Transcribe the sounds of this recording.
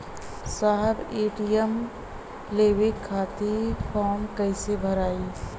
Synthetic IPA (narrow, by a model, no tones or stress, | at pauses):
saɦəbeːʈijəm | lewekʰːaːt̪ipʰɔːmkəɪsebʱəɾaːi